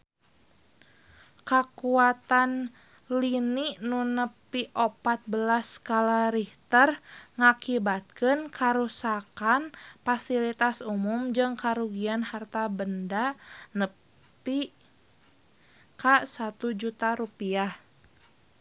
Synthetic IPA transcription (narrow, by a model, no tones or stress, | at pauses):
kakuat̪an | liniʔnunəpiʔopat̪̚bəlaskalaɾiht̪ərŋakibat̪̚kənkʰaɾusakanfasilit̪asumumd͡ʒɨŋkaɾuɡianhart̪abəndanə | pi | kasat̪ud͡ʒut̪aɾupiah